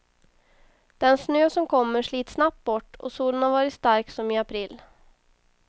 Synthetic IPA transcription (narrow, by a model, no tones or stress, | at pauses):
d̪̥ɛnsnøːsɔmkʰɔmːəʂɭiːt̪snap̚t̪̚bɔʈːɔ̰suːlənhaɾvɑːɾɪt̪st̪aɾksɔmɪːapʰɾiːlː